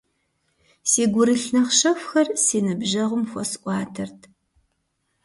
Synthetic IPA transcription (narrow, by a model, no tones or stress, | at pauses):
siːɡʷʊɾɨɬnɐχʃɐfxɐrsiːnɨbʒɐʁʷʊmxʷɔ̰sʔʷɑːtʰɐrtʰ